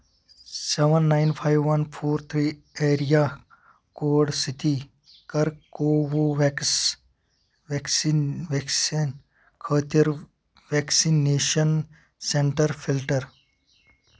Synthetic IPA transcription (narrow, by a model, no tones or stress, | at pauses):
seʋɐnːajnpʰajʋːɐnpʰoːɾt̪ʰɾi | eːɾija | koːɖsit̪i | kɐɾkoːwoʋ | ʋeksiʋeksin | kʰəːt̪jɐɾ | ʋeksineːʃɐn | seɳʈɐɾpʰilʈɐɾ